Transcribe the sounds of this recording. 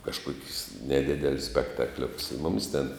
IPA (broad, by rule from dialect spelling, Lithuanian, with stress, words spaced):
kɐʃˈkuɔkʲʊs nʲɛˈdʲɪdʲɛlʲʊs sʲpʲɛktɐˈklʲoːkʊs ɪ ˈmʊmʲɪs tʲɛn